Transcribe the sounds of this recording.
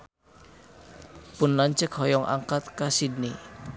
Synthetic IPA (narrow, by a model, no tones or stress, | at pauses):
pʊnlaɲt͡ʃək̚hɔjɔŋʔa̰ŋkat̪̚kasid̚ni